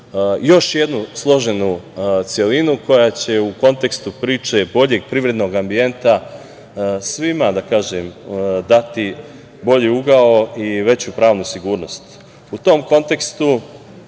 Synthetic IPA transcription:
jo̞ʃje̞d̪nuslˠo̞ʒe̞nut̪sjelinuko̞jat͡ɕe̞uko̞nt̪e̞kst̪upɾiːt͡ʃe̞bo̞ʎe̞ɡ̚pɾiʋɾe̞d̪no̞ɡambie̞nt̪a | sʋimad̪akaːʒemd̪at̪i | bo̞ʎiuɡaoiʋe̞t͡ɕupɾaːʋnusiɡuːɾno̞st̪ | ut̪o̞mko̞nt̪e̞kst̪u

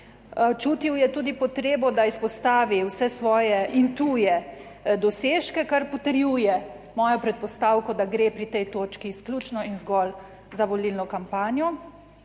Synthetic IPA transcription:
t͡ʃuːt̪iwjɛt̪uːd̪ipɔt̪ɾeːbɔd̪aispɔst̪aːʋiwsɛsʋɔːjɛʔint̪ujɛ | d̪ɔseːʃkɛkaɾpɔt̪əɾjuːjɛ | mɔːjɔpɾɛt̪̚pɔst̪aːwkɔd̪aɡɾeːpɾit̪ɛjt̪oːt͡ʃkiːsklʲuːt͡ʃnɔinzɡɔl | zaʋɔlilnɔkampaːnjɔ

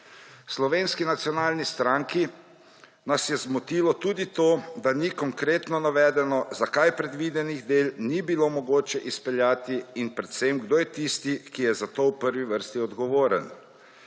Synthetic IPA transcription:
slɔʋeːnskinat̪sijɔnaːlnist̪ɾaŋki | nasjɛzmɔt̪iːlɔt̪uːd̪it̪oːd̪anikɔŋkɾeːt̪nɔnaʋɛːd̪ɛnɔzakajpɾɛd̪ʋid̪ɛniɣd̪eːlnibilomɔɡoːt͡ʃɛʔispɛljaːt̪iinpɾɛt̪sɛmɡd̪oːjɛt̪ist̪ikijɛzat̪owpəɾʋiʋəɾst̪iɔd̪ɡɔʋoːɾə̰n

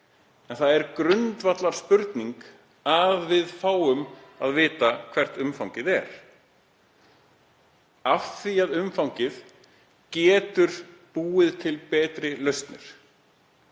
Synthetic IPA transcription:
ɛnθaðɛɾkɾʏnt̪vat̪laɾ̥spʏɾt̪niŋk | aðvɪðfaːwʏmaðvɪːt̪akʰv̥ɛr̥t̪ʏmfawŋcɪðɛ̰ɾ̥ | afθiaðʏmfawŋcɪð | cɛːt̪ʏɾ̥puːɪðt̪ʰɪlpɛːt̪ɾɪlœɥst̪nɪ̰ɾ̥

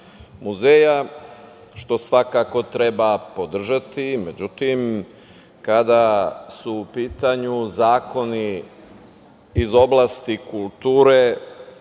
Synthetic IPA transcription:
muzeːja | ʃt̪o̞sʋakako̞t̪ɾe̞bapo̞d̪r̩ʒat̪ime̞d͡ʒut̪im | kad̪asuːpiːt̪aɲuzaːko̞ni | zo̞blˠaːst̪ikulˠt̪uːɾe

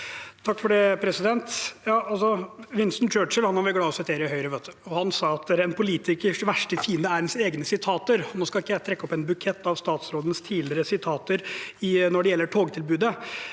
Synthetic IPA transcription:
t̪ʰɑkːfɔɖɛpʰɾɛsɪd̪ɛnt̪jɑːʔɑlsɔʋɪnsnt͡ʃøːʈt͡ʃəlhɑnhɑɾʋɪɡɽɑːɔsɪt̪ʰeːɾəɪhœʏɾəʋøt̪ʰːəɔhɑnsɑɑt̪d̪ɛɾɛnpʰʊliːt̪ɪkəʋæʂʈəfiːnd̪əæɾənseːɡnəsɪt̪ʰɑːt̪əɾɔnoːskɑlɪkːəjæɪt̪ʰɾɛkːəɔpɛnbʉkʰɛt̪ːɑʋst̪ɑːt̪sɾoːd̪ənst̪ʰiːdlɪɾəsɪt̪ʰɑːt̪əɾɪnɔɖɛjɛlːəʈʰoːɡt̪ʰɪlbʉːd̪ə

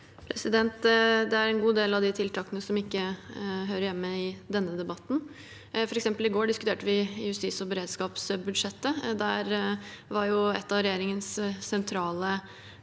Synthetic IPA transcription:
pʰɾɛsɪd̪ɛnt̪d̪ɛæɾɛnɡuːd̪eːlɑʋd̪ɪt̪ʰɪlt̪ʰɑːkənəsɔmɪkːəɦøːɾəɾjɛmːəɪd̪ɛnːəd̪ɛbɑt̪ːn̩ | fɔɾɛksɛmpəlɪɡoːɖɪskʉt̪eːʈəʋɪjʉst̪iːsɔbɛɾeːd̪skɑːpsbʉd̪ʂɛt̪ːəd̪æɾʋɑɾjʊɛ̰t̪ːɑʋɾɛjeːɾɪŋənsːɛnt̪ʰɾɑːlə

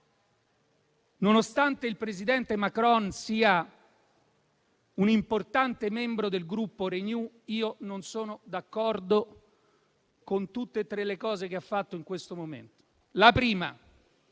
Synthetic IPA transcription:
nonost̪ant̪eilpɾezid̪ɛnt̪emakɾɔnsiːa | unimport̪ant̪emɛmbɾod̪elɡɾupːoɾeɲu | iːononsoːnod̪akːɔrd̪o | kont̪ut̪ːeːt̪ːɾelːekɔːzek̟eafːat̪ːoiŋkwest̪omomḛnt̪o̥ | lapɾiːma̰

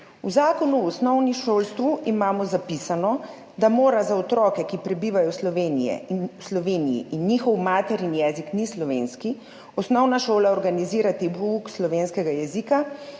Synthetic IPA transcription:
wzaːkɔnuɔsnɔwniʃoːlst̪ʋuʔimaːmɔzapisanɔ | d̪amoːɾazaɔt̪ɾɔːkɛkipɾɛbiːʋajɔslɔʋeːnijɛ̰slɔʋeːnijḭʔinːiːxɔwmaːt̪ɛɾinjɛːziknislɔʋeːnski | ɔsnɔwnaʃoːlaɔɾɡaniziːɾat̪ibuukslɔʋeːnskɛɡajɛzika

